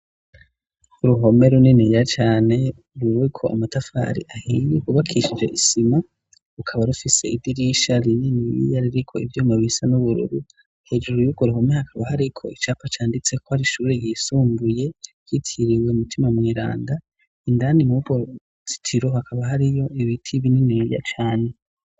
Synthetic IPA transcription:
uɾuɦo̞me̞ɾuninijat͡ʃaːne̞ | uɾuwekʰo̞ʔa̰matafa̰ːɾḭʔahijekuβakʰiʃid͡ʒe̞ʔisima | ukʰaβaɾufise̞ibdiɾjiʃaɾininijḭjaɾiɾikʰo̞ivjoːmaβisanuβuɾṵɾu | he̞d͡ʒuɾojuɡo̞ɾiɦomehakʰaβaɦaɾikʰo̞̰it͡ʃaːpat͡ʃaːndit͡se̞kohaɾiʃuːɾeɡisuːmbuje̞kitʰiɾiwe̞umutʰimamŋiːɾa̰ːnda | indaːnimuɡo | zi̥tʰiɾo̞hakaβaɦaɾijo̞iβitʰiβininiija̰t͡ʃaːne̞

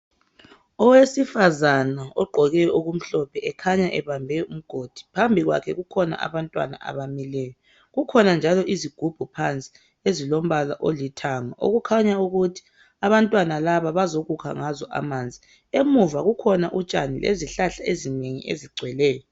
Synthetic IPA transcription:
ɔwesifazanaɔɡ͡ǃʱɔɣɛjɔuɣum̩ɬɔpʰɛʔɛkʰaɲaʔɛβambʱɛum̩ɡ̥ʱod̥ʱi̥pʰambʱiɣwa̰kʰɛɣukʰɔna̰ʔa̰βantʼwa̰na̰ʔa̰βamilɛːjɔ | ɣukʰɔnand͡ʒʱalɔʔiziɡ̥ʱub̥ʱupʰant͡sʼi̥ | ezilom̩βalaʔolitʰaŋaʔo̰ɣukʰaɲauɣutʰi̥ | aβantʼwanalaβaβazoɣukʰa̰ŋazɔʔa̰maːnd͡zʱi | emuvaɣukʰɔnaʔut͡ʃʼa̰nilḛziɬaɬaezineŋḭʔḛziɡ͡ǀʱwɛlɛːjɔ

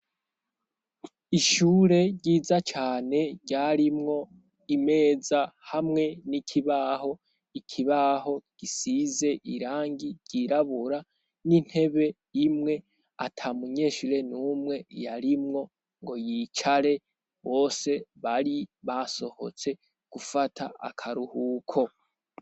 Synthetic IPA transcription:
iʃuːɾe̞ɟɟiːzat͡ʃaːne̞ɟaɾimŋo̞ | ime̞ːzahamŋe̞nikʰiβaho̞ | ikʰiβaho̞ɡ̥isize̞ʔiɾaːŋɡiɟɟiɾaβuɾa | nin̥he̞βe̞ | imŋe̞ | a̰tʰamuɲe̞ʃiɾenumŋe̞jaɾimŋo̞ | ŋɡo̞jit͡ʃaɾe̞ | βo̞ːse̞βaɾiβaso̞ho̞̰t͡se̞ | ɡ̥ufatʰa̰a̰kʰaɾuhuːkʰo̞

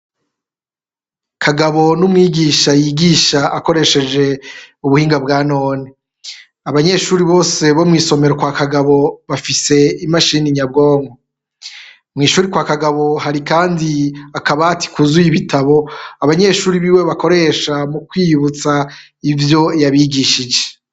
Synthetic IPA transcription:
kʰaɡaβo̞numŋiːɡiːʃajiɡiːʃaako̞ɾe̞ʃe̞d͡ʒe̞uβuhiːŋɡabɡaːno̞ːni | aβaɲe̞ʃuːɾiβo̞ːse̞βo̞mŋiːso̞me̞ɾokwaːkaɡaβo̞βafise̞imaʃiniɲab̚ɡo̞ːŋɡo | mŋiːʃuːɾikwakaɡaβo̞ɦaɾikaːndiakaβatʰi̥kuzujiβitʰaβo̞aβaɲe̞ʃuːɾiβiːwe̞βako̞ɾe̞ʃamukwiːuβut͡sa | ivjo̞jaβiɡiːʃid͡ʒe

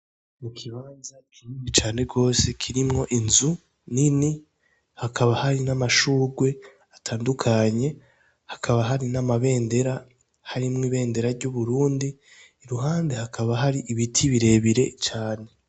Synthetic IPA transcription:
mukʰiβaːnzakʰiɲiit͡ʃaːne̞ɡo̞ːse̞kʰiɾimŋo̞ʔinzu | nini | hakʰaβahaɾinamaʃuːɡwe̞ | atʰaːndukʰaɲe̞ | hḁkʰaβaɦaɾinamaβe̞ːnde̞ɾa | haɾimŋiːβe̞ːnde̞ɾaɾɟuβuɾuːndiː | ɾuɦaːndehakʰaβaɦaɾiʔiβitʰiβiɾe̞βiɾe̞t͡ʃaːne̞

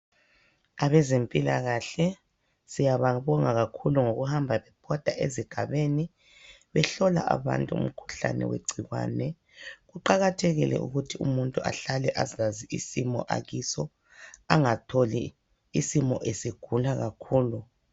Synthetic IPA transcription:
aβɛzempʼila̰ɣaɬɛ | sijaβaβɔŋaɣakʰuluŋoɣuhambʱaβɛpʰɔd̥ʱaʔeziɡ̥ʱaβeni | βɛɬɔla̰ʔa̰βa̰ntʼuṵm̩kʰu̥ɬa̰nɛ̰wḛɡ͡ǀʱiɣwa̰ːnɛ | ɣuǃaɣatʰeɣḭlɛ̰ʔṵɣutʰiumuntʼua̰ɬalɛʔazaziisimɔ̰ʔa̰ɣisɔ | aŋatʰoliː | simɔʔesiɡ̥ʱulaɣakʰuːlu

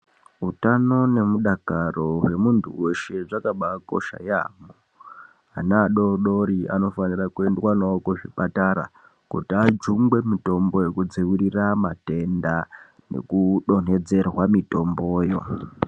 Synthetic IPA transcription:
utano̞ne̞muɗakaro̞we̞muntʰuwe̞ʃe̞ʐakaɓako̞̰ʃa̰ja̰mo | anaːɗo̞ɗo̞ɾia̰no̞fanirakuendwanokoʐipataɾa̰ | kṵtiad͡ʒuŋɡwe̞mito̞mbo̞je̞kud͡ziwiriramate̞nda | nḛkuɗo̞n̤e̞d͡ze̞rwamito̞mbo̞ːjo̞̰

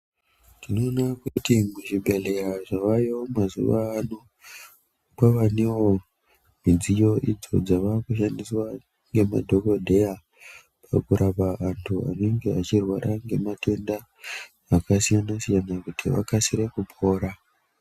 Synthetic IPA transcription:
tino̞ːnakutimuʐibʱe̞ɮe̞ɾaʐaʋajiomazṵʋaːno | kaʋane̞wo | mid͡zijo̞ʔid͡zo̞̰d͡zaʋakuʃandiswa | ŋɡe̞ma̰dʱo̞ko̞dʱe̞ja | pʰakuɾapaantʰua̰ne̞ŋɡe̞at͡ʃirwaɾʔaŋɡe̞mate̞ndaː | kasijanasijanakutʰiʋa̰kasiɾekupʰo̞ːɾa

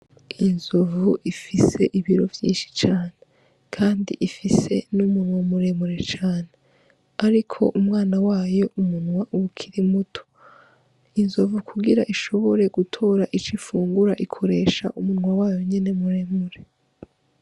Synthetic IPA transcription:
inzuvuʔifise̞ʔiβiɾo̞vjḭːnʃi̥t͡ʃaːne | kʰaːndḭʔifise̞numunwamuɾe̞muɾe̞t͡ʃaːne | aɾikʰo̞̰ʔumŋaːnawaːjo̞umunŋwaʔuukʰiɾimutʰo̥ | inzovukʰuɡiɾaʔiʃo̞βo̞ɾe̞ɡ̥utʰo̞ːɾaʔit͡ʃifuːŋɡuɾaʔikʰo̞ɾe̞ːʃaʔumunwawaːjo̞ɲene̞muɾe̞muɾe̞

